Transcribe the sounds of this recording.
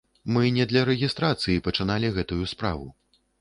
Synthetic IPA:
mɨnʲɛd̪lʲɐɾɛɣʲist̪ɾat̪sɨjipɐt͡ʂɨnalʲiɣɛt̪ujuspɾa̰vu

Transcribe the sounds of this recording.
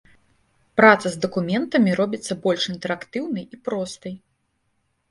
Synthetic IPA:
pɾat̪sɐzd̪ɐkumʲɛnt̪ɐmʲiɾɔbʲit̪sːɐbɔlʲʂint̪ɛɾakt̪ɨwnɨjipɾɔst̪ɨj

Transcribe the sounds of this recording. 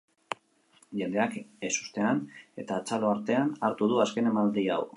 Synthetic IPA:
ʝe̞nd̪e̞akesu̥st̪e̞ane̞t̪aːt͡salo̞aɾt̪e̞anaɾt̪uð̞uaske̞nemald̪ia̰w

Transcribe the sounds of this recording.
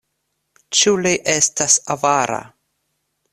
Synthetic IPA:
t͡ʃuliʔestasavaɾa̰

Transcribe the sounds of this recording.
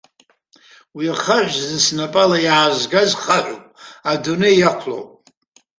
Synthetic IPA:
wiaχaʕʷzɨnsnapʼalajaːzɡazχaʕʷo̰pʼadunejjakʷʰlo̰wpʼ

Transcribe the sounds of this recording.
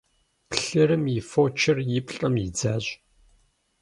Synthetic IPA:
pɬɨɾɨmjɪfoːt͡ʃʰɪrjɪpɬʼɐmjɪd͡zaːɕʼ

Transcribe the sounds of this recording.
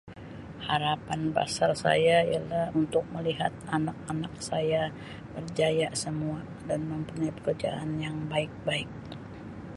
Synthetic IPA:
haɾapanba̰sarsa̰jaijalahunt̪ʊk̚məliɦat̪̚anak̚anak̚saja | bərd͡ʒajasəmua | danməmpuɲajpə̥kərd͡ʒa̰ʔanjaŋbaɪk̚baɪk̚

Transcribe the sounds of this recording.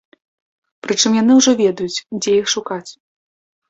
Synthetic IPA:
pɾɨt͡ʂɨmjan̪ɨwʐɔvʲɛd̪ɐjut͡sʲd͡zʲɛjixʂukat͡sʲ

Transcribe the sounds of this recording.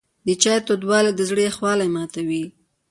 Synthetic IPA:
d̪ət͡ʃɑjt̪od̪wɑled̪əzɽəaxwɑlajmɑt̪awi

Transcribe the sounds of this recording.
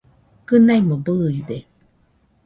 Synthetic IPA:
kɯnaimobɯid̪e

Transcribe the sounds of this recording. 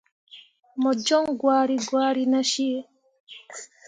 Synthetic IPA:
mɔd͡ʒɔŋɡwaːɾiɡwaːɾinaʃiɛ

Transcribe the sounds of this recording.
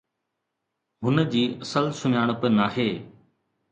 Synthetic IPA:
ɦʊnə̆d͡ʑiːɐsəlsʊmjaːɽ̃pənaːɦeː

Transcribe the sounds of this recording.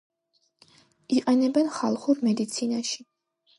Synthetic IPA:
iqʼɛnɛbɛnχalˠχuɾmɛd̪it̪sʰinaʃi

